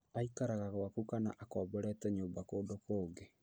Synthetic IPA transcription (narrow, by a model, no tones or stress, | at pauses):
aikaɾaɣaɣwakukana̰ʔakɔːbɔɾɛtɛɲoːbakoːndokoːŋɡe